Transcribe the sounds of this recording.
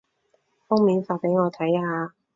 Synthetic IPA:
fʊ˥ŋmiː˨˥nfaː˧t̚pe˨˥jŋɔː˨˧t̪ʰɐ˨˥jhaː˨˧

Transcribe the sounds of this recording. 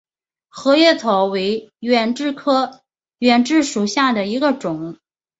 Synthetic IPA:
xɤ˧˥jɛ˥˩t̪ʰo˧˥ʊwe˧˥ɪɥɛ˨˩nʈ͡ʂɻ̩˥˩kʰɤ˥ | ɥɛ˨˩nʈ͡ʂɻ̩˥˩ʂu˨˩ɕja˥˩d̪ə˩i˧˥ɡə˧ʈ͡ʂʊ˨˩˦ŋ

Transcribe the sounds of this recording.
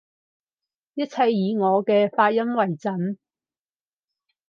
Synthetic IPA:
jɐ˥t̚t͡sʰɐ˧jːiː˨˧ŋɔː˨˧kɛː˧faː˧t̚jɐ˥mwɐ˨˩jt͡sɐ˨˥n

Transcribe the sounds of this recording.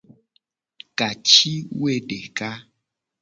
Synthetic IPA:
ka˨t͡ʃi˦we˦ɖe˨ka˦

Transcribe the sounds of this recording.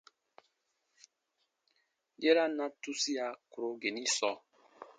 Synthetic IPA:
je˦ɾa˦nã˦tu˦si˦a˨ku˨ɾo˨ɡe˨ni˦sɔ˨

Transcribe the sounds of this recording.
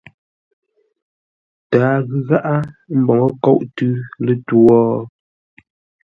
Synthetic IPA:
taː˨˦ɣʉ˦ɣa˦ʔa˦m̩˦bɔ˨ŋə˦kɔ˦˨ʔtʉ˦lə˦twɔ˦

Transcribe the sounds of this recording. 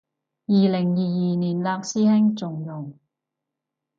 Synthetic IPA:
jiː˨lɪ˨˩ŋjiː˨jiː˨˩niː˨˩nlaː˧k̚siː˥hɪ˥ŋt͡sʊ˨ŋjʊ˨˩ŋ

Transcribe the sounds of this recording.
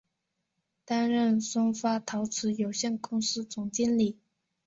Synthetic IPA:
t̪a˥nɻə˥˩nsʊ˥ŋfa˥t̪ʰɑ˧˥ʊt͡sʰɹ̩˧˥jo˨˩ʊɕjɛ˥˩nkʊ˥ŋsɹ̩˥t͡sʊ˨˩ŋt͡ɕi˥nli˨˩˦

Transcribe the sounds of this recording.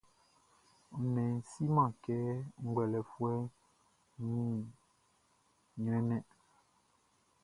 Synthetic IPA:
nɛ˨n̩˨si˦mã˨kɛ˦ŋ̩˦ɡwɛ˨lɛ˨fwɛ˦ | ɲĩ˦ | ɲwɛ˦nɛ˦

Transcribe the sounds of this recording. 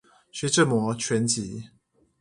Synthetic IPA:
ɕɥɛ˧˥ʈ͡ʂə˥˨mwɔ˧˥˦t͡ɕʰɥɛ˧˥nt͡ɕi˨˦

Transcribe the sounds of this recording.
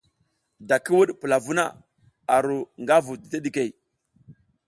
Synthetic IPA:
da˨ki˦wu˦ɗpə˨la˨vu˦na̰˦˨ | a˨ɾu˨ŋɡa˦vu˨di˨te˦ɗi˨ke˨j

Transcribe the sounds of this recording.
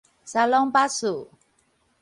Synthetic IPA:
sa˧lɔ˦ŋpa˦su˨

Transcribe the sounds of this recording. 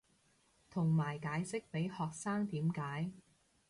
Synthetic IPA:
t̪ʰʊ˨˩ŋmaː˨˩jkaː˨˥jsɪ˥k̚pe˨˥jhɔː˨k̚saː˥ŋt̪iː˨˥mkaː˨˥j

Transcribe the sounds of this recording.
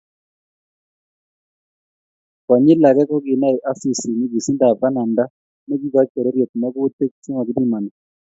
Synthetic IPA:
kɔ˨ɲɪ˦la˨ɡɛ˦kɔ˦ɡɪ˨na˦i˨ʔa˦si˦˨si˨ni˦ɡi˨si˦nda˨pa˦na˨nda˦ | nɛ˦ɡi˦ɡa˨˦t͡ʃɛ˨ɾɛ˦ɾjo˨t̪̚ma˦ɡʊ˦te˦k̚t͡ʃo˦ŋɔ˨ɡɪ˦di˦˨ma˨ni˨

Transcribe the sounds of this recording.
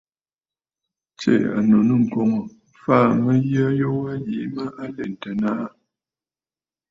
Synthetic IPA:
t͡ʃḛ˦˨a̰˨no˨nə˦˨ŋ̩˨kɔ˨ŋɔ˨ | faː˦˨mə˦jə˦jo˦wa˦ji˨˦mə˦ʔa˦le˨n̩˨tə˨na˦ʔa˦

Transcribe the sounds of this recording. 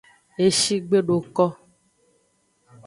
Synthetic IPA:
e˨ʃi˦ɡ͡be˦ɖo˨kɔ˦

